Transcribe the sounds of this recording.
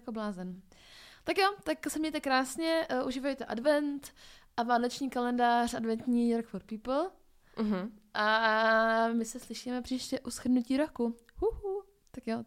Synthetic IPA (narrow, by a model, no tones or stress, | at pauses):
koblaːzɛn | t̪akjot̪aksɛmɲɛjt̪ɛkɾaːsɲɛʔuʒiːvojɛt̪ɛʔadvɛnt̪ʔavaːnot͡ʃɲiːkalɛndaːr̝ʔadvɛnt̪ɲiːjoɾkfoɾt̪̚piːpl̩ | ɦ̩ʔa | mɪsɛslɪʃiːmɛpr̥iːʃcɛʔusxɾdnuciːɾokuhuhu | t̪akjo